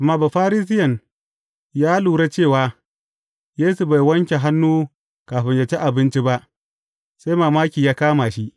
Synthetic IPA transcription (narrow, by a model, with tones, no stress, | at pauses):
ʔa˨mːaː˦˨ba˨ɸaː˦ɾiː˦s̬ɪ˦jɐ˨n | jaː˦luː˨ɾe˦t͡ʃeː˦˨waː˨ | jeː˦su˨ba˨jwɐ˦ŋkʲe˨ɦa˦nːuː˦ | kaː˨ɸɪ˦ɲja˨t͡ʃe˦ʔa˨bɪ˦nt͡ʃi˦ba˦ʔ | sa˦jmaː˨maː˦kʲiː˨jaː˦kaː˦maː˨ʃi˦ʔ